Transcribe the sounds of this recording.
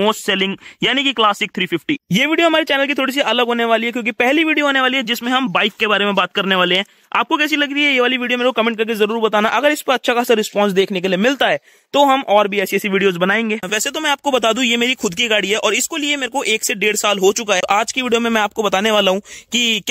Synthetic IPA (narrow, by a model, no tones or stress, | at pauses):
oːsʈsɛːlɪ̃ŋɡjaːnikiklaːsɪk̚t̪ʰɾiːfɪfʈiːjeːʋiːɖijoɦɐmaːɾet͡ʃɛːnəlkit̪ʰoːɽis̬iʔɐləɡɦoːneʋaːliɦɛkjõːkipɛɦliʋiːɖijoɦoːneʋaːliɦɛd͡ʒɪsmẽɦɐmbaːɪkːebaːɾemẽbaːt̪̚kɐɾneʋaːleɦɛ̃ː | a̰ːp̚kokɛːsilɐɡ̚t̪iɦɛjeʋaːliʋiːɖijomeːɾekokɐmɛ̃ːɳʈ̚kɐɾk̬ezɐɾuːɾbɐt̪aːnaʔɐɡəɾɪspɐɾɐtːʃʰakaːsaɾɪspɔ̃ːns̬d̪eːkʰnekeliemɪlt̪aɦɛː | t̪oɦɐmʔɔːɾbʱiɛːsiɛːsiʋiːɖijoːzbɐnaːẽːŋɡeːʋɛːset̪omɛ̃aːp̚kobɐt̪aːd̪ũjemeːɾixʊd̪kiɡaːɽiɦɛʔɔːɾɪskoliemeːɾekoʔeːkseɖeːɽsaːlɦot͡ʃʊkaɦɛʔaːd͡ʒkiʋiːɖijomẽmɛ̃aːp̚kobɐt̪aːneʋaːlaɦũkik